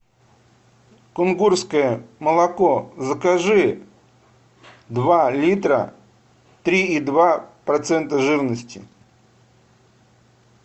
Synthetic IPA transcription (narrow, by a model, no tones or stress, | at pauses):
kʊnɡurskəjəməlˠɐkozəkaʐɨ | d̪valʲit̪ɾə̰ | t̪ɾʲiid̪vapɾɐt̪sɛnt̪əʐɨvnəsʲtʲɪ